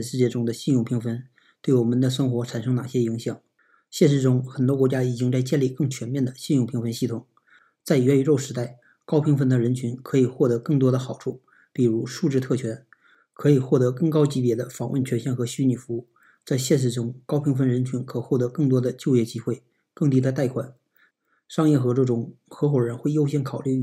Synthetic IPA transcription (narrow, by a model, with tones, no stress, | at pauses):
ʂɻ̩˥˧t͡ɕjɛ˥˧ʈ͡ʂʊ˥ŋd̪ə˨ɕi˥˧njʊ˥˩ŋpʰi˧˥ŋfə˧˥n | t̪we˥˩ɪwɔ˨˩mə˧˦nd̪ə˧ʂə˥nxwɔ˧˥ʈ͡ʂʰa˨˩nʂɤ˧˥ŋna˨˩ɕjɛ˥i˧˥ŋɕjɑ˨˩˦ŋ | ɕjɛ˥˧ʂ̬ɻ̩˥˧˩ʈ͡ʂʊ˥ŋxə˨˩nt̪̬wɔ˥kwt͡ɕja˥i˨˩t͡ɕi˥ŋt͡sa˥˧ɪt͡ɕjɛ˥˧nli˥˧˩kɤ˥˩ŋt͡ɕʰɥɛ˧˥nmjɛ˥˩nd̪ə˩ɕi˥˧njʊ˥˩ŋpʰi˧˥ŋfə˧˥nɕi˥˩t̪ʰʊ˨˩ŋ | t͡sa˥˩ɪɥɛ˧˥y˨˧˩ɻo˥˩ʊʂɻ̩˧˥t̪a˥˩ɪ | kɑ˥ʊpʰi˧˥ŋfə˥nd̪ə˨ɻə˧˥nt͡ɕʰy˧˥nkʰɤ˧˥i˨˩xwɔ˥˩t̪ɤ˧˥kɤ˥˩ŋt̪̬wɔ˥d̪ə˨xɑ˨˩ʊʈ͡ʂʰu˥˩ | pi˨˩ɻu˧˥ʂu˥˧ʈ͡ʂɻ̩˥˧t̪ʰɤ˥˩t͡ɕʰɥɛ˧˥n | kʰɤ˧˥i˨˩xwɔ˥˩t̪ɤ˧˥kɤ˥˩ŋkɑ˥ʊt͡ɕi˧˥pjɛ˧˥d̪ə˧fɑ˨˩ŋwʔə̰˥˩nt͡ɕʰɥɛ˧˥nɕjɛ˥˩nxɤ˧˥ɕy˥ni˨˩fu˧˥u˥˩ | t͡sa˥˧ɪɕjɛ˥˧nʂ̬ɻ̩˥˩ʈ͡ʂʊ˥ŋkɑ˥ʊpʰi˧˥ŋfə˥˩nɻə˧˥nt͡ɕʰy˧˥nkʰɤ˨˩xwɔ˥˩t̪ɤ˧˥kɤ˥˩ŋt̪wɔ˥d̪ə˨t͡ɕjo˥˧ʊjɛ˥˩t͡ɕi˥xwe˥˩ɪ | kɤ˥˩ŋt̪i˥d̪ə˧t̪a˥˩ɪkʰwa˨˩˦n | ʂɑ˥ŋjɛ˥˩xɤ˧˥ʈ͡ʂɤ˥˩ʈ͡ʂʊ˨˩ŋxɤ˧˥xwɔ˨˩ɻə˧˥nxwe˥˩ɪjo˥ʊɕjɛ˥nkʰɑ˨˩ʊly˥˧˥